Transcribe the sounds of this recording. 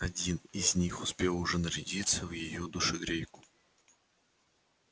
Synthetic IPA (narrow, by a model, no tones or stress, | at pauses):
ɐdʲinizʲnʲixʊspʲelˠʊʐɛnəɾʲɪdʲit̪səvjɪjod̪ʊʂɨɡɾʲejkʊ̥